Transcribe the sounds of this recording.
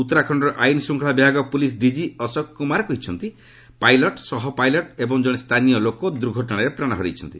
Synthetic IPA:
ut̪ːɔɾakʰɔɳɖɔɾɔʔajnɔsuŋkʰɭabjaɡɔpulis̬ɖid͡ʒiɔsɔkkumaɾɔkɔɦit͡ʃʰɔnt̪i | pajlɔʈsɔɦɔpajlɔʈebɔŋd͡ʒɔɽ̃est̪ʰanijɔlokɔd̪uɾɡʱɔʈɔɽ̃aɾepɾaɽ̃ɔɦɔɾḭt͡ʃʰɔnt̪i

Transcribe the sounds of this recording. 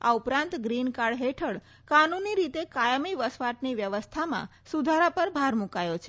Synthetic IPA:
a̰upɾãnt̪ɡɾinkaɽɦeʈʰəɽ | kanuniɾit̪ekajəmiʋəsʋaʈniʋjəʋəst̪ʰamã̰ | sud̪ʱaɾapəɾbʱaɾmũkajot͡ʃʰe

